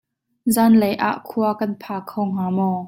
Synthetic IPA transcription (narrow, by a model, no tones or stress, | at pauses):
zaːnlejʔa̰ːʔkʰuɐkɐnpʰaːkʰɔwŋ̥aːmɔː